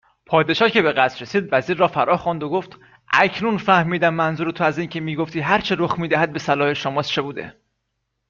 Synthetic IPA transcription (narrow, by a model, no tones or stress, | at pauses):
pʰɒːd̪e̞ʃɒːhcʰe̞be̞ɣæsɾe̞siːd̪væziːɾːɒːfæɾʔɒːxɔnd̪oɡoft̪ | ʔæ̰cʰnunfæhmiːd̪æmːænzuɾet̪ʰoæziːncʰe̞miːɡoft̪iːɦæɾt͡ʃʰeɾoxmiːd̪æɦæd̪̚be̞sælɒːheʃomɒːst͡ʃʰe̞buːd̪e̞̰